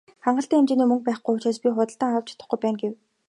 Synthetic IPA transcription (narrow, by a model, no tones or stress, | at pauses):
χaɴɢə̆ɬt̪iːŋemt͡ɕeːniːmɵŋk̚pæːχɡujʊt͡ɕeːspʲiχʊt̪ə̆ɬt̪aːŋaw̥t͡ɕʰḁt̪ə̆χɡujpæːnɡew